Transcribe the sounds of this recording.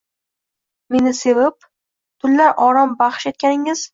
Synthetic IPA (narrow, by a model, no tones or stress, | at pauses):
me̞nɪse̞vɪp̚ | t̪ʰʊlːaɾʔɒɾɒmbaχʃet̪̚kʲanɪŋɪz̥